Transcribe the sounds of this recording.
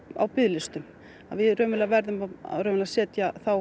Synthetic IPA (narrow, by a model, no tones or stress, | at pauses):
a̰wpɪðlɪst̪ʏm | a̰ðvɪɾœːmɪlavɛɾðʏmaa̰ðɾœːmɪlasɛːt̪jaθaw